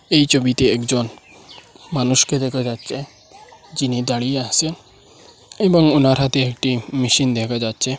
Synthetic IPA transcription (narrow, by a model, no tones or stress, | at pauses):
ejt͡ʃobit̪eekd͡ʒɔn | manuʃked̪ekʰad͡ʒatːt͡ʃʰe | d͡ʒinid̪aɽiasen | ebɔŋunaɾɦat̪eekʈimiʃind̪ɛkʰad͡ʒat̪ːt͡ʃʰe